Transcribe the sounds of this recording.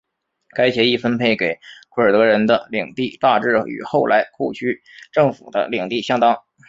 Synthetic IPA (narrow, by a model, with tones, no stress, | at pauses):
ka˥ɪɕjɛ˧˥i˥˩fə˥npʰe˥˩ɪke˨˩ɪkʰwə˞˨˩t̪ɤ˧˥ɻə˧˥nd̪ə˧li˨˩ŋt̪i˥˧t̪a˥˧ʈ͡ʂɻ̩˥˩y̰˨˩xo˥˩ʊlʔa˧˥ɪkʰu˥˧t͡ɕʰy˥ | ʈ͡ʂɤ˥˩ŋfṵ˨˩d̪ə̰˦li˨˩ŋt̪i˥˩ɕjɑ˥ŋt̪ɑ˥ŋ